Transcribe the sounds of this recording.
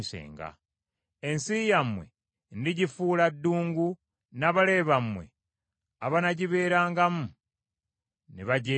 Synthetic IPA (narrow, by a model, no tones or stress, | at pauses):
isḛːŋɡa̰ | ensijamwḛ | ndiɟifuːladːuːŋɡu | naβale̞ːβamwe̞̰ | aβanaɟiβe̞ːɾaːŋɡamu | niβaɟe